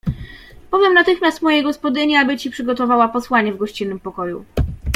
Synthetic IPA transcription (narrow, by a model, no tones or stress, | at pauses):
pɔvʲjɛmnat̪ɘxmʲast̪mɔjɛɡɔspɔd̪ɘɲɛabɘt͡ɕipʂɘɡɔt̪ɔvawapɔswaɲɛvɡɔɕt͡ɕinːɘmpɔkɔjṵ